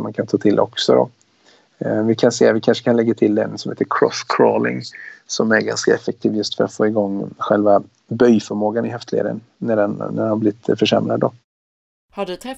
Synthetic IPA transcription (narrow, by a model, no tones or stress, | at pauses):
mankʰant̪ʰɑːt̪ʰɪlʔɔ̰ksɔd̪ɔ̰ | vɪkʰanseːat̪vɪkʰanʂəkʰanlɛɡːat̪ʰɪld̪ɛ̰nsɔmheːt̪ːəɾkʰɾɔ̰skʰɾoːlɪ̰ŋsɔmæɾɡa̰nskaɛfɛk̚t̪ʰiːvjɵst̪fœɾa̰t̪foːɪɡɔŋːɧɛlva | bœjfœɾmoːɡanɪɦɛft̪ʰlḛːɾə̰nːæɖɛnnæ̰dɛnhablɪɪt̪fœʂɛ̰mɾad̪ːɔ | haɖɵt̪ʰɛ